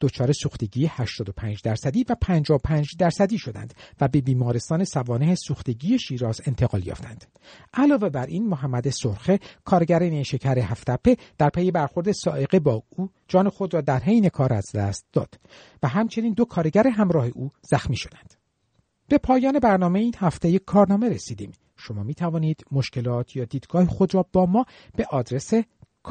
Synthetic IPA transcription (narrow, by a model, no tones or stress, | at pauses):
d̪̥ot͡ʃʰɒːɾesuːxt̪e̞ɟiːjehæʃt̪ɒːd̪opʰæːnd͡ʒd̪æɾsæd̪iːvæpʰænd͡ʒɒːopʰæːnd͡ʒd̪æɾsæd̪iːʃo̞d̪æ̰nd̪̥væbe̞biːmɒːɾest̪ɒːne̞sævɒːnehesuːxt̪e̞ɟiːje̞ʃiːɾɒːze̞nt̪ʰe̞ɣɒ̰ːljɒ̰ft̪ʰæ̰nd̪̥ | ʔælɒːve̞bæɾʔiːnmoɦæmːæd̪esoɾxe̞kʰɒːɾeɟæɾeneʃe̞cʰæɾeɦæft̪ʰæpʰːe̞d̪̥æɾpʰeje̞bæɾxo̞ɾd̪e̞sɒ̰ːʔe̞ɣe̞bɒːuː | d͡ʒɒːne̞xo̞d̪rɒːd̪æɾɦejne̞kʰɒːɾæzd̪æ̰st̪̚d̪̥ɒ̰ːd̪̥ | væɦæmt͡ʃʰe̞niːnd̪okʰɒːɾe̞ɟæɾeɦæmɾɒːhe̞ʔuːz̥æxmiːʃo̞̥d̪æ̥nd̪̥ | b̥e̞pʰɒːjɒːne̞bæɾnɒːmeiːnhæft̪ejekʰɒːɾnɒːme̞ɾesiːd̪ḭːm | ʃo̞mɒːmiːt̪ʰævɒːniːd̪̥mo̞ʃce̞lɒːt̪ʰjɒːd̪iːd̪ɡ̥ɒːhexod̪ɾɒːbɒːmɒː | b̥e̞ʔɒːd̪ɾe̞sekʰ